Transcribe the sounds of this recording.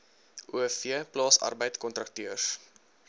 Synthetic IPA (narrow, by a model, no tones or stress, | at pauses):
ʔuəfiəplɑːsɐ̰rbəjtkɔntrɐk̚tøəs